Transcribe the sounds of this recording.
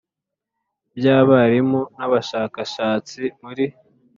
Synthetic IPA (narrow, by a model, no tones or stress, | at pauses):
bjaːβaɾimunaβaʃaːkaʃaːt͡simuɾi